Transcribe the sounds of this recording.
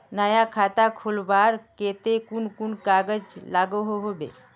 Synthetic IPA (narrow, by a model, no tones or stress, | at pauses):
nəjakʰat̪akʰulbaɾket̪ekunkunkaɡəd͡ʒlaɡoɦoɦobḛ